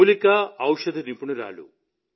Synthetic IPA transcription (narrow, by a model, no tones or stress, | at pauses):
likɐɐwʂɐd̪ʱinimpunuɾa̰ːlṵ